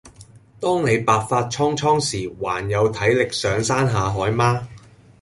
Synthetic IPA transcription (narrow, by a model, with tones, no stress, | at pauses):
t̪ɔː˥ŋne˨˧jpaː˨k̚faː˧t̚t͡ʃʰɔː˥ŋt͡ʃʰɔː˥ŋsiː˨˩waː˨˩njɐ˨˧wt̪ʰɐ˨˥jlɪ˨k̚sœː˨˧ŋsaː˥nɦaː˨˧ɦɔː˨˥jmaː˥